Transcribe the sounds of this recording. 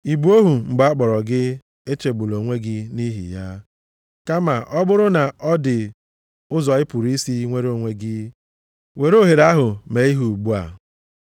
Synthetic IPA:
i˨bu˨˦o˦ɦu˨ŋ͡m̩˨ɡ͡ba˨˦a˦k͡pɔ˨ɾɔ˨ɡɪ˦ | e˦t͡ʃe˨ɡ͡bu˨lo˨ŋʷe˦ɡɪ˦ni˦ɦḭ˨ja˦ | ka˦ma˨ʔɔ˦bʊ˦ɾʊ˦na˨ʔɔ˦dɪ˨ | ʊ˦zɔ˨ɪ˦pu˨ɾi˦si˦ŋʷe˦ɾo˨ŋʷe˦ɡɪ˦ | we˨ɾo˦ɦe˨ɾa˦ɦʊ˨me˨i˦ɦu˨ɡ͡bu˦a̰˨

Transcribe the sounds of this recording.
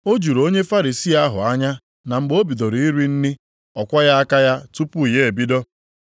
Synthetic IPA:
o˦d͡ʒu˨ɾo˦ɲe˦fa˦ɾi˨si˦˨a˦ɦʊ̰˨a˦ɲa˦ | na˨ŋ͡m̩˨ɡ͡bo˦bi˨do˨ɾi˨i˦ɾi˦n̩˦nɪ˦ | ɔ˨kʷa˦ja˦a˦ka˦ja˦tu˦pu˦i˨je˦˨e˨bi˦dɔ˦

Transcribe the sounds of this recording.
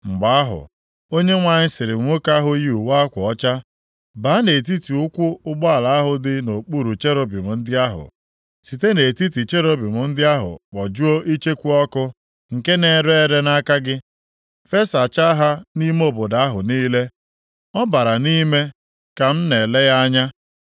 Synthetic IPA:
ŋ͡m̩˨ɡ͡ba˨a˦ɦʊ̰˨ | o˦ɲe˦ŋʷa˨ɲɪ˦sɪ˨ɾɪ˨ŋʷo˦ka˦ɦʊ˦ji˦u˨wa˦kʷʊ˨ɔ˦t͡ʃa˦ | ba˨˦ne˨t̬i˦ti˨ʊ˦kʷʊ˦ʊ˦ɡ͡bɔ˦a˨la˨a˦ɦʊ˨dɪ˦no˨k͡pu˦ɾu˨t͡ʃe˦ɾo˦bi˨mʊ˨n̩˦dɪ˦a˦ɦʊ̰˨ | si˨te˦ne˨ti˦t̬i˨t͡ʃe˦ɾo˦bi˨mʊ˨n̩˦dɪ˦a˦ɦʊ̰˨k͡pɔ˨d͡ʒu˦o˦ʔi˦t͡ʃe˦kʷu˦ɔ˦kʊ˦ | ŋ̩˨ke˦ne˨ɾe˦˨ɾe˦na˦ka˦ɡɪ˦ | fe˦sa˨t͡ʃa˦ɦa˦ni˦m˦o˦bʊ˨da˨a˦ɦʊ˨niː˦le˦ | ɔ˦ba˨ɾa˨ni˦me˦ | ka˨m̩˦ne˨le˦ja˦ɲa˦

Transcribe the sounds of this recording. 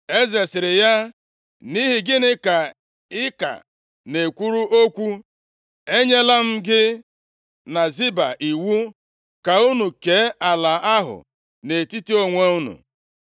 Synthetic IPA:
e˦ze˨sɪ˨ɾɪ˨ja˦ | ni˦ɦi˨ɡɪ˦nɪ˦ka˨ | ɪ˦ka̰˨ | ne˨kʷu˦ɾu˦ʔo˦kʷu˦ | e˦ɲe˦la˦m̩˦ɡɪ˦ | na˨zi˦ba̰˨ʔi˨wu˦ | ka˨u˦nu˨ke˨˦a˨la˨ʔa˦ɦʊ̰˨ | ne˨ti˦ti˦o˦ŋʷe˦u˦nṵ˨

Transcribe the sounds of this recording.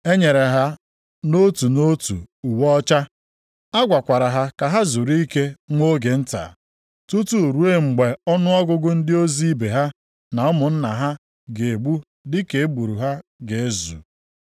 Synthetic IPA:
e˦ɲe˨ɾe˨ɦa˦ | no˦tu˨no˦tṵ˨u˨wɔ˦t͡ʃa˦ | a˦ɡʷa˨kʷa˨ɾa˨ɦa˦ka˨ɦa˦zu˨ɾi˦i˦ke˦ŋʷo˦ɡe˨n̩˦ta̰˨ | tu˦tu˦˨ɾu˦e˦ŋ͡m̩˨ɡ͡be˨ɔ˦nʊ˦ɔ˦ɡʊ˦ɡʊ˦n̩˦dɪ˦o˦zi˦be˨ɦa˦ | na˨ɔ˦mʊ˨n̩˦na˨ɦa˦ | ɡe˨e˨ɡ͡bu˦ | dɪ˦ke˨e˦bu˨ɾu˨ɦa˦ɡe˨e˦zṵ˨

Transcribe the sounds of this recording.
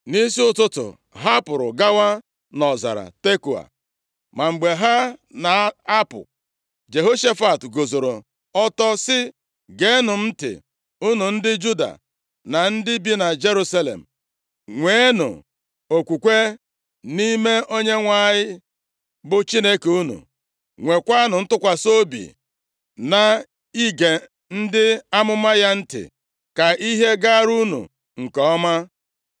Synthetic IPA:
ni˦si˦ʊ˦tʊ˦tʊ̰˨ | ɦa˦pʊ˨ɾʊ̰˨ɡa˦wa˦ | nɔ˨za̰˨ɾa̰˨te˦ku˨a̰˨ | ma˨ŋ͡m̩˨ɡ͡be˨ɦa˦na˨a˦pʊ̰˨ | d͡ʒe˨ɦo˦ʃe˦fa˨tɡo˨zo˨ɾo˨ | ɔ˦tɔ˦sɪ˦ | ɡe˦nʊ˨m̩˦tɪ̰˨ | ʊ˦nʊ˨n̩˦dɪ˦d͡ʒu˦da̰˨ | na˨n̩˦dɪ˦bi˦na˨d͡ʒe˦ɾu˦sa˦lḛ˨m̩˨ | ŋʷe˦nʊ̰˨ | o˨kʷu˨kʷe˦ | ni˦me˦ʔo˦ɲe˦ŋʷa˦˨ɲɪ˦ | bʊ˨t͡ʃi˦ne˦ke˨u˦nṵ˨ | ŋʷe˨kʷa˦nʊ˨n̩˦tʊ˦kʷa˨so˦bḭ˨ | na˨ | i˦ɡe˨ | n̩˦dɪ˦a˦mʊ˦ma˦ja˦n̩˦tɪ̰˨ | ka˨i˦ɦe˦ɡa˦ɾu˦nṵ˨ | ŋ̩˨kɔ˨ɔ˦ma˦

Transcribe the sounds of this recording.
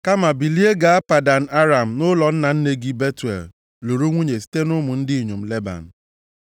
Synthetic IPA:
ka˦ma˨bi˨li˦e˦ɡa˨a˦pa˨da˨n̩˨a˦ɾa˨m̩˨nʊ˦lɔ˨n̩˦na˨n̩˦ne˨ɡi˦be˦tu˨ḛ˨l | lo˨ɾu˦ŋʷu˦ɲe˨si̥˦te˦nʊ˦mʊ˨n̩˦dɪ˦i˨ɲo˨m̩˨le˦ba̰˨n̩˨

